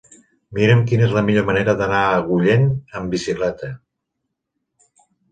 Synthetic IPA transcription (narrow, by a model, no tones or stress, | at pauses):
miɾəmk̬inezləmiʎoməneɾəðənaəɣuʎenəmbisiklɛt̪ə